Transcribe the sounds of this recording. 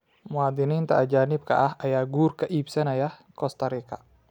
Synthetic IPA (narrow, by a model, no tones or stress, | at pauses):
muad̪inint̪aʔad͡ʒanip̚ka̰ʔahajaɡurkaʔipsɛnajahkɔst̪aɾika̰